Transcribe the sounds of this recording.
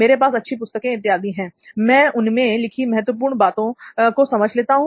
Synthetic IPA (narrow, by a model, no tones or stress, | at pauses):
meːɾepaːsɐtːʃʰipʊst̪əkẽɪt̪ːɪaːd̪iɦɛ̃ːmɛ̃ːʊnmẽlɪkʰimɛɦət̪wəp̬uːɾɳbaːt̪õkosɐməd͡ʒʱleːt̪aɦũ